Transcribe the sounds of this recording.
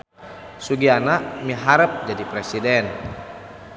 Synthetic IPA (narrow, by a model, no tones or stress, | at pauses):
suɡianaʔmiɦaɾəp̚d͡ʒadipɾesidɛn